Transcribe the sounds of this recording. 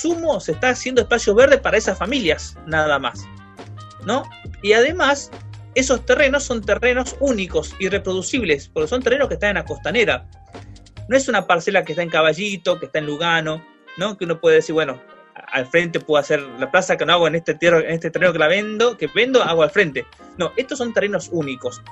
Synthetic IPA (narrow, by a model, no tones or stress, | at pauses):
sumosest̪aːsje̞nd̪oespasjo̞ɦβeɾðehpaɾaesasfamiljas | naðama̰s | no̞iaðe̞mas | e̞so̞st̪ere̞no̞sːo̞nt̪ereno̞suniko̞sirepɾo̞ðusiβlespoɾkesont̪erenoskest̪anenlako̞st̪ane̞ɾa | noe̞sunapaɾse̞lak̬eht̪ae̞ŋkaβaʒit̪o̞k̬eht̪aenluɣano̞ | no̞keuno̞pweðeðesiɾβweno̞ | a̰lfɾe̞nt̪̬e̞pweðoaseɾlaplasakenoaɣoenet̪et̪erenest̪et̪ereno̞k̬elaβend̪okeβe̞nd̪oaɣoalfɾent̪eno̞ʔe̞ht̪oso̞nt̪ereno̞suniko̞s